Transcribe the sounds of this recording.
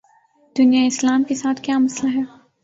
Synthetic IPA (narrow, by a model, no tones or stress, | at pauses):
d̪̥ʊnijaɪslaːmkesaːt̪ʰkjaːmɐslaɦɛː